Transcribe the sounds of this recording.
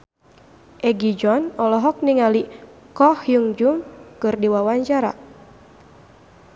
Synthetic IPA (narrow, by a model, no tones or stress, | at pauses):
ʔɛɡid͡ʒɔnɔlɔɦɔk̚niŋali | kɔhjuŋd͡ʒumkɨrdiwawaɲt͡ʃaɾa̰